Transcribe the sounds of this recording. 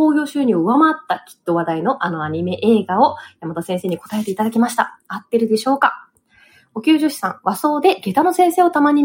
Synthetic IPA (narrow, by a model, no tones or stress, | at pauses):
o̞ːçʲo̞ːɕɨːɲ̟ioɯ̟βamat̪ːakʲi̥t̪ːo̞βad̪aino̞ʔano̞aɲ̟ime̞ʔe̞ːɡao̞jamat̪asẽɰ̃se̞ːɲ̟iko̞̥t̪ae̞t̪e̞it̪ad̪akʲimaɕi̥t̪a̰at̪ːe̞ɾɯ̟d̪e̞ɕo̞ːkḁ | o̞kʲɨːʑoɕi̥sã̰ɴβaso̞ːd̪e̞ɡe̞t̪ano̞sẽ̞ɰ̃se̞ːo̞t̪amaɲ̟i